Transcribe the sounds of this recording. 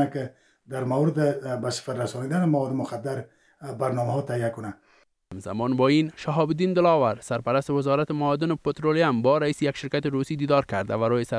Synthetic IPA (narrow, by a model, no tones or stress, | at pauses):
akɪ | d̪aɾmawɾɪd̪ɪbasɪ̥faɾɾasɔnid̪anɪmawɔd̪ɪmʊxad̪ːaɾ | baɾnɔmaɦɔt̪aijakʊna | hamza̰mɒnbɒinʃaɦɒbd̪ind̪ɪlɒwaɾsaɾpaɾast̪ɪwɪzɒɾat̪ɪmaːd̪ɪnɪpet̪ɾoljambɒɾaiːsɪjakʃɪɾkat̪ɪɾusid̪iːd̪ɒɾkaɾd̪a̰vaɾojɪsa